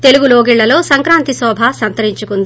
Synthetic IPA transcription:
t̪eluɡuloːɡiɭːɐlo̞ːsɐŋkɾaːnt̪isɔːbʱɐsɐnt̪ɐɾiɲt͡ʃukund̪i

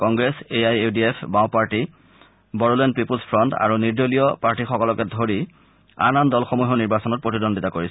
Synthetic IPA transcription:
kɔŋɡɹeseajediepʰbaʊ̃paɹti | bɔɹɔlɛndpipulspʰɹɔnta̰ɹuniɹdolijɔpaɹʈixɔkɔlɔkɛdʱoɹi | a̰nandɔlxomuɦɔniɹbasɔnɔt̚pɹotidondʱitakoɹisɛ

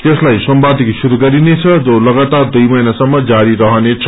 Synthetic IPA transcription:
t̪eslajsʌmbad̪ʱiksuɾuɡʌɾinet͡sʰʌd͡zolʌɡat̪ard̪ujmʌjnasʌmːʌd͡zaɾiɾʌɦʌnet͡sʰʌ̥

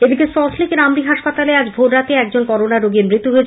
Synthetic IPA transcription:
ed̪ikesɔslikeɾamɾiɦaʃpat̪alead͡ʑbʱoʈɾat̪eɛk̚d͡ʑonkɔɾonaɾoɡeɾmɾit̪ːuɦoet͡ɕʰ

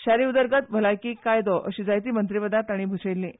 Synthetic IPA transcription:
ɕaɾiːud̪əɾɡət̪̚bʱəlajkiːkajd̪ɔʔəɕiːd͡zajt̪̬iːmənt̪ɾiʋəd̪at̪aɽ̃iːbʱut͡sejlːĩː

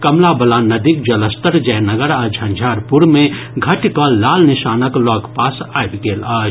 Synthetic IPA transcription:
kəmlabəlanəd̪ikd͡ʒələst̪əɾd͡ʒɛnəɡəɾad͡ʒʱənd͡ʒʱaɾpuɾme | ɡʱəʈkɔlalniʃanəklɔɡpasajbɡeləː

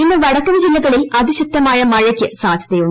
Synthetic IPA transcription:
inːɐʋɐɽɐkːɐmd͡ʑilːɐɣɐɭilɐðiɕɐkt̪ːɐmaːjɐmɐɻɐkʲːɨsaːd̪ʱjɐðejuɳː

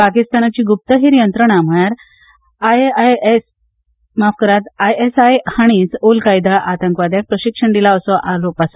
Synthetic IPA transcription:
pakist̪anat͡ɕiːɡup̚t̪əɦiɾjənt̪ɾəɳ̃am̤əjaɾ | ajaes | mafkəɾat̪ajesajhaɽ̃iːsolkajd̪aʔat̪əŋkʋad̪jak̚pɾəɕikʂəɳd̪ilaəsɔʔalopasa

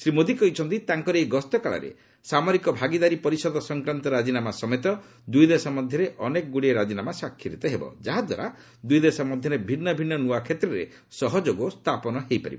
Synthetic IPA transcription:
sɾimod̪ikɔit͡ʃʰɔnt̪it̪aŋkɔɾeɡɔst̪ɔkaɭa̰ɾḛ | samɔɾikɔbʱaɡid̪aɾipɔɾisɔd̪ɔsɔŋkɾant̪ɔɾad͡ʒinamasɔmet̪ɔ | d̪ujd̪esɔmɔd̪ʱjɔɾeʔɔnekɔɡuɽieɾad͡ʒinamasakʰːiɾit̪eɦebɔ̰d͡ʒaɦad̪wa̰ɾa | d̪ujd̪esɔmɔd̪ʱjɔɾebʱinːɔbʱinːɔnuakʰet̪ɾɔɾḛ | sɔɦɔd͡ʒoɡost̪ʰapɔnɔɦejpa̰ɾḭbɔ

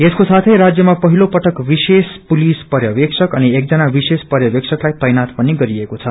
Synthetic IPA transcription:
eskosat̪ʰʌjɾad͡zjʌmapʌɦilopʌʈʌkbisespulispʌɾjʌbeksʌkʌniek̚d͡zʌnabisespʌɾjʌbeksʰʌklajt̪ʌjnat̪pʌniɡʌɾiekot͡sʰʌ

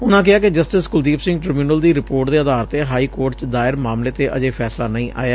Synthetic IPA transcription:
ʊnãːk̬ɪaːkɪd͡ʒəsʈɪskʊld̪iːpsɪ̃ŋɡʈɾɪmiuːnəld̪iːɾɪpoːɾʈd̪eːəd̪aːɾt̪eːɦaːiːkoːɾʈt͡ʃd̪aːɪɾmaːmleːt̪eːʔəd͡ʒeːpʰɛːslaːnəĩːʔʔa̰ːjaː

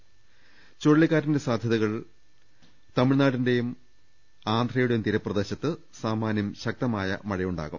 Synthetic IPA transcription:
t͡ɕoɻɭːikːaːɾinde̞saːd̪ʱjɐðɐɣɐɭ | t̪ɐmiɻnaːɽinde̞jum | aːnd̪ʱrɐjuɽejumt̪iɾɐprɐd̪e̞ːɕɐt̪ːɨ | saːmaːnjɐmɕɐk̚t̪ɐmaːjɐ̰mɐɻɐjuɳɖa̰ːɣum

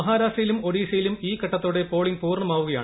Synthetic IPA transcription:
ɐɦaːɾaːʂʈrɐjilumo̞ɽiːʂɐjilumiːkɐʈːɐt̪ːoːɽe̞po̞ːɭiŋpuːrɳɐmaːʋuɣɐjaː

